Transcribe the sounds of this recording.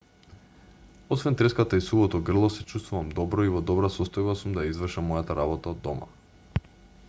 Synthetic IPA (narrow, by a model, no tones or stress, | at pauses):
ɔsvɛnt̪ɾɛskat̪aisuvˠɔt̪ɔɡr̩lˠɔsɛt͡ʃust̪vuvamd̪ɔbɾɔivɔd̪ɔbɾasɔst̪ɔjbasumd̪ajaizvr̩ʃamɔjat̪aɾabɔt̪aod̪ːɔma̰